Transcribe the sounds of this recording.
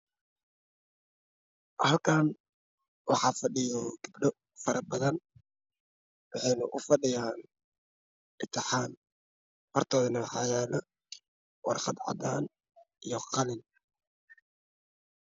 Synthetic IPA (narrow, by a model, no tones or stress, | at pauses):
hɐlkʰaːn | wɑħɑːfɐɖɪjɔɡ̥ɪbɖɔ | fɐɾʔɐbɐðɐn | wɑħɛjnʊʔʊfɐɖɪjaːn | ʔɪt̪ʰɪħaːn | fɐrt̪ʰɔːðɪnɐwɑħɑːjaːlɐ | wɑ̰rqɑd̪ʕɑ̰d̪aːn | ijɔqɑlɪn